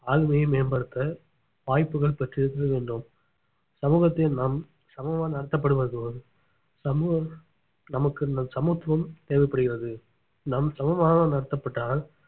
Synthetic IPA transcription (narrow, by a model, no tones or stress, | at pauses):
aːɣɯmɐjɐmeːnbɐɽɯt̪ːɐ | ʋaːjpːɯɣɐɭpɐʈriɪɽɯt̪ːɯɾɐʋeːɳɖɯm | sɐmuːɣɐt̪ːɐnaːm | sɐmɐʋaːnnɐɽɐt̪ːɐpːɐɽɯʋɐðɯʋɐɯ | sɐmuːɣɐ | nɐmɐkːɯnɐsɐmuːt̪ːʋɐmt̪eːʋɐɪpːɐɽɯɣɪɾɐðɯ | namsɐmɐmaːnɐanɐɽɐt̪ːɐpːɐʈːaːl